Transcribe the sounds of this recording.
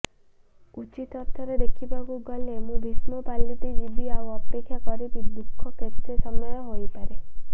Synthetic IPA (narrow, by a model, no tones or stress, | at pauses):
ut͡ʃit̪ɔt̪ʰːɔɾed̪ekʰibaɡuɡɔlemũbʱismɔpalːit̪id͡ʒibiauɔpekʰːjakɔɾib̪id̪ukʰːɔkest̪ʰesɔmːɔjɔɦojpaɾe